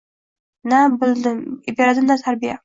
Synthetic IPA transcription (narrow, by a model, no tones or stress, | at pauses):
nabɪld̪ɪmɪbeɾad̪ɪmd̪at̪ʰaɾbija